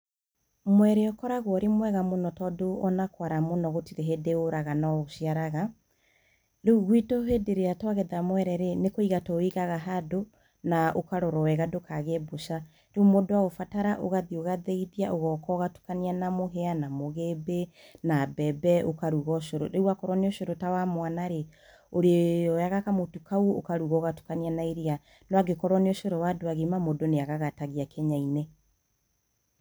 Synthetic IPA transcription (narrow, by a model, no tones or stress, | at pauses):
mwɛɾeɔkɔɾaɣwɔɾemwɛɣamonɔtɔdoʔɔnakwaɾamonɔɣotiɾeɦedeoɾaɣanaɣoʃiaɾaɣa | ɾeɣwitoɦedeɾeatwaɣɛðamwɛɾɛɾenekoiɣatɔoiɣaɣaɦado | naʔokaɾɔɾɔwɛɣadokaɣeboʃa | ɾeumodowaɣofataɾaʔoɣaðioɣaðɛiðiaʔoɣɔkɔɣatu̥kanianamoɦeanamoɣebenabɛbɛʔokaɾuɣɔʃoɾoɾeuakɔɾwɔneoʃoɾotawamwanaɾe | oɾeɔjaɣakamotukauokaɾuɣɔɣatu̥kanianaiɾia | nɔaɡekɔɾwɔneoʃoɾɔwadoaɣemamodoneaɣaɣataɣiakʰɛɲaine